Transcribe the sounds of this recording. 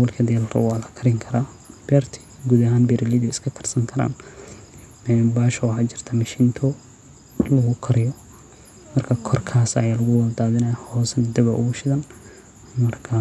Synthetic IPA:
wʊlkʰɐd̪ɛɛlɾɐ̰waːlɐkʰɐɾɪŋkʰɐɾaː | b̥ɛrt̪ʰɪ̥ɡuːðɐɦaːnbɛɾɪliðɛɪskʰɐkʰɐ̥rsɐŋkʰɐɾa̰ːn | ɛnbaːʃɐwɑħat͡ʃɪr̥t̪ʰɐmɐʃint̪ʰɔ | lɐɣʊkʰɐɾɪjɔ | mɐrkʰɐkʰɔrkʰaːsɐ̰jaːlɐɣʊwɐld̪aːðɪnɛjhɔːsɐnd̪ɐβɐʔʊ̰ɣʊʃɪðɐn | mɐrkʰɐ

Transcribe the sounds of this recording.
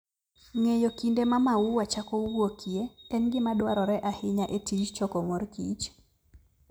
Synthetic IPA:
ŋejokindemamauwat͡ʃakouwokʰieɛnɡɪmadwaɾɔɾɛʔahɪɲaʔetʰit͡ʃt͡ʃɔkɔmoɾkit͡ʃ

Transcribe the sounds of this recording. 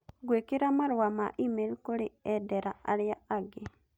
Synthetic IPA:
ɡwekiɾamaɾwamaʔimelkuɾiedeɾaaliaaɡe

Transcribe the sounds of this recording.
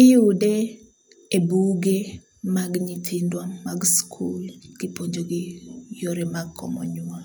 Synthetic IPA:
ɪjude | ebuɡe | maɡɲit̪ʰindwamːaɡskʰulɡ̥ɪpoɲd͡ʒoɡɪjoɾemaɡkʰːɔ̰mɔ̰ɲua

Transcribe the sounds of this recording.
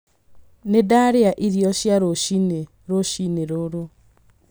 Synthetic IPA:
nedaɾeaʔiɾiɔɕjaɾoʃine | ɾoʃineɾoɾo

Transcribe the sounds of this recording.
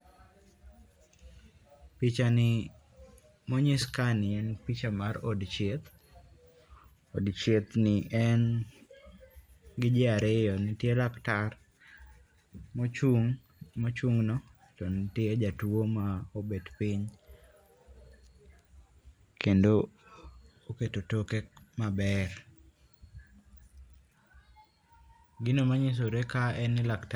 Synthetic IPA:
pit͡ʃanɪ | moɲɪskanɪɛnpit͡ʃamaɾo̰dt͡ʃet̪ | o̰dt͡ʃet̪nɪʔɛn | ɡɪd͡ʒɪaɾɪjɔnɪtjelaktar | mot͡ʃuŋ | mot͡ʃuŋnɔ | tonɪtjed͡ʒatwomaobedpiɲ | kʰendo | oketotokekmabɛɾ | ɡɪnomaɲɪs̬oɾekaɛnːɪlakt

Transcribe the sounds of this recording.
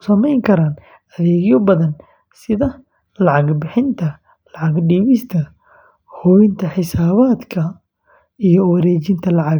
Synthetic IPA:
sɐmɛjŋkʰɐɾaːn | ɐðɛːɣjɔbɐðɐn | sɪðɐ | lɑʕɑɡbɪħɪnt̪ʰɐ | lɑʕɑɡɖiːβɪst̪ʰɐ | hɔːjɪnt̪ʰɐħɪsaːβaːd̪kʰɐ | ijɞwɑɾɛːt͡ʃɪnt̪ʰɐlɑʕɑɣ

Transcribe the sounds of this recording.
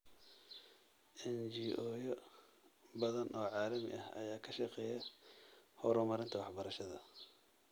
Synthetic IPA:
ʔɛnd͡ʒiːʔɔːjɔ | bɐðɐnʔɔːʕɑːlɐmɪ̰ʔɐhɐ̰jaːkʰɐʃɐqɛːjɛ | hɔɾɔmɐɾɪnt̪ʰɐwɑħbɐɾɐʃɐðɐ

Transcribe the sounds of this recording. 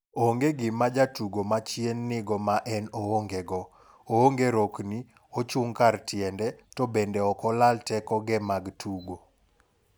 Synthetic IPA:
oŋɡeɡɪmad͡ʒatuɡomat͡ʃjenːɪɡɔmaʔɛnooŋɡeɡɔ | ooŋɡeɾokni | ot͡ʃuŋkartjɛndɛtɔbendeɔkɔlaltɛkɔɡɛmaɡtʰuɡo

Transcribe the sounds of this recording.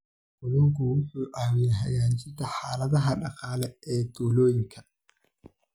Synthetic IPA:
bɔðɔŋkʰʊwʊħuːʔaːwɪjɛɦɐjaːnt͡ʃɪd̪ɐħaːlɐðɐɦɐɖɑqɑːlɛɛːd̪̥uːlɔːjɪŋkʰɐ̥

